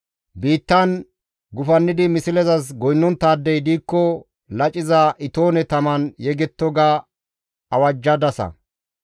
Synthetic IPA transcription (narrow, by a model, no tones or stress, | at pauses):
biːt̪ːɐn | ɡʊfɐnːɪd̪ɪmɪsɪlɛzɐsɡɔjnːɔnt̪ːaːd̪ːɛjd̪iːkːɔ | lɐt͡ʃʼɪzɐʔɪt̪oːnɛt̪ɐmɐnjɛɡɛt̪ːɔɡa | ɐwɐd͡ʒːɐd̪ɐsɐ̰